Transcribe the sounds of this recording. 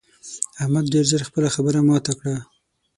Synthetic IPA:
ahmad̪ɖeɾzəɾxpəlaxabəɾamɑt̪akɽa

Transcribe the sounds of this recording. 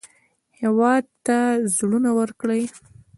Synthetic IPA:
hewɑd̪̚t̪azɽunawəɾkɽəj

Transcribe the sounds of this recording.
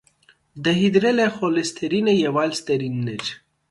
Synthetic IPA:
d̪ɐɦid̪ɾelexolest̪ʰeɾinejewaːlst̪ɐɾinːed͡ʑ

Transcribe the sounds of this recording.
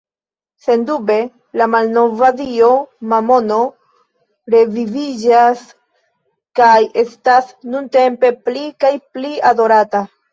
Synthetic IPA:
se̞ndube̞ | lamalno̞vadio̞mamo̞no̞ | ɾe̞vivid͡ʒas | kaje̞stasnunte̞mpe̞plikajpliado̞ɾata

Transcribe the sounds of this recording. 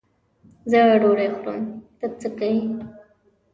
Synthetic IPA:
zəaɖoɽajxʊɾə̰mt̪ət͡səkawi

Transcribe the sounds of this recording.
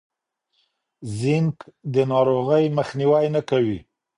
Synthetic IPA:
zɪŋkd̪ənɑɾoɣəjməxniwajnakawi

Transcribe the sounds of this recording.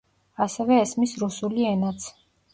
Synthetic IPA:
asɛvɛːsmisɾusuliɛnat̪sʰ

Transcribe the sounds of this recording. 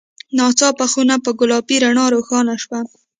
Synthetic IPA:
nɑt͡sɑpaxunapəɡʊlɑpiɾaɳɑɾoxɑnaʃwa

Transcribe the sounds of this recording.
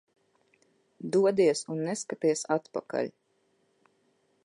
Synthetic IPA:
d̪uɔd̪iɛsunːɛskat̪iɛsat̪paka̰lʲ

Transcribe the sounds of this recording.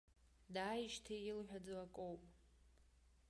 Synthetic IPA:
daːjʃtʰejɪlħᶣad͡zwakʼowpʼ

